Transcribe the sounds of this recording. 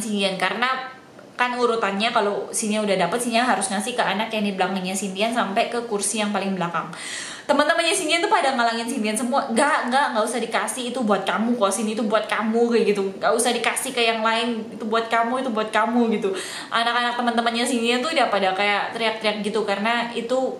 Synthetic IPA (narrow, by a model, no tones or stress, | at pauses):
sind̪iankaɾəna | kanuɾut̪anɲakalosinianudahdapət̪̚sinaɦaɾusɲasikəanakjaŋdibəlaŋənɲasint̪iansampakəkursijaŋpalɪŋbəlakaŋ | t̪əmənt̪əmənɲasind̪iant̪upadaŋalaŋɪnsint̪iansəmuaŋɡaʔŋɡaʔŋɡaʔusahdikasɪhːt̪ubuat̪̚kamukasinit̪ubuat̪̚kamuɡaɡit̪uŋɡaʔusahdikasɪhkəjaŋlaɪnit̪ubuat̪̚kamuit̪ubuat̪̚kamuɡit̪u | ʔa̰nakanak̚t̪əmənt̪əmənɲasiniant̪udapadakajaʔt̪əɾiak̚t̪ɾiak̚ɡit̪ukaɾənait̪u